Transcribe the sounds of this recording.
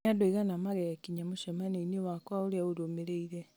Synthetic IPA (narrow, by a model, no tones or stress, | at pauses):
adoiɣanamaɣɛkiɲamoʃɛmaneinewakwaoɾeaodomeɾeiɾɛ